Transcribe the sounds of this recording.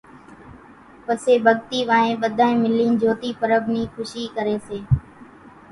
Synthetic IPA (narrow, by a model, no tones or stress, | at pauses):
pəseːbʱəɠt̪iːʋaːẽːɓəd̪ʱaːẽːmɪlĩːnd͡ʒoːt̪iːpəɾəbniːxʰʊʃiːkəɾeːseː